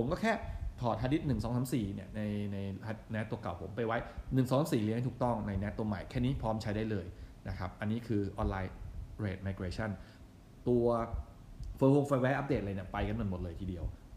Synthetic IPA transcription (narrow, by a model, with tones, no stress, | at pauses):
pʰo˨˩˦mkɔ˥˩kʰɛː˥˩t̪ʰɔː˨˩t̪̚ʰaː˧t̪ʰi˦˥t̪̚nɯ˨˩ŋsɔː˨˩˦ŋsaː˨˩˦siː˨˩ni˥˩ɐna˧jna˧jʰa˧nɛ˦˥t̪ːu˧əka̰˨˩wpʰo̰˩˦mpa˧jwa˦˥jnɯ˨˩ŋsɔː˨˦sa˨˦˥siː˨˩li˧˥ŋa˥˩t̪ʰuː˨˩t̪ɔ˥˩ŋna˧jnɛ˦˥t̪ːu˧ɐma˨˩jkʰɛː˥˩niː˦˥pʰɾɔː˦˥mt͡ɕʰa˦˥jdaː˥˩jlɤː˧jna˦˥kʰa˦˥p̚ʔa˧nːiː˦˥kʰɯː˧ʔɔː˧nlaː˧jɾeː˨˩t̪̚maː˧jkeː˧t͡ɕʰa˥˩n | t̪u˧ɐ | fɤː˧hoː˧mfaː˧jwɛː˦˥ʔa˦˥p̚de˨˩˨a˧ni˥˩ɐpa˧jka˧nu˨˩nmo˨˩t̪̚lɤː˧jt̪ʰiː˧di˧əw